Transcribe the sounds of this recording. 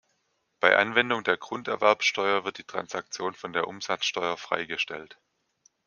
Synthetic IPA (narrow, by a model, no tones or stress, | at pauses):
b̥aɪʔa̰nvɛndʊŋdeːɐɡʁ̥ʊntɛɐvɛɐpsʃtɔʏɐvɪɐt̚d̥iːtʁ̥a̰nsak̚t͡sjoːnfɔndeːɐʔʊmz̥at͡sʃtɔʏɐfʁ̥a̰ɪɡəʃtɛ̰lt